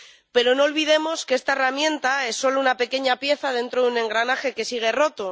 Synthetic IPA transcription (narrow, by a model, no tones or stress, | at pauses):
pe̞ɾo̞no̞ːlβiðe̞mo̞skeest̪aeramjẽ̞nt̪ae̞sːo̞lounape̞ke̞ɲapje̞θað̞e̞nt̪ɾoðune̞ŋɡɾanaxe̞ke̞siɣ̞e̞ro̞t̪o